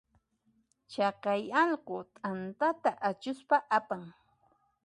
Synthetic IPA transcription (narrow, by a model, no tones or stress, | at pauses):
t͡ʃɑqɑjɑʎqot̪ʼant̪at̪aʔat͡ʃʊspaʔapaŋ